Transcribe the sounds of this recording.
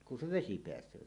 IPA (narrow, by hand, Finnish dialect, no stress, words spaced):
ku se ʋesi peæsˑøː